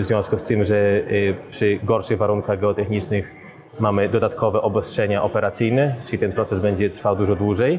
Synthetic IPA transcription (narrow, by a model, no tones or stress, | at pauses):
vzvʲɔ̃skust̪ɘmʐɛpʂɘɡɔɾʂɘɣvaɾuŋkaɣɡɛɔt̪ɛxɲit͡ʂnɘx | mamɘd̪ɔd̪at̪kɔvɛʔɔbɔstʂɛɲaʔɔpɛɾat̪sɘjnɛʈ͡ʂɘlʲit̪ɛnpɾɔt̪sɛzbɛɲd͡ʑɛt̪ɾfawd̪uʐɔd̪wuʐɛj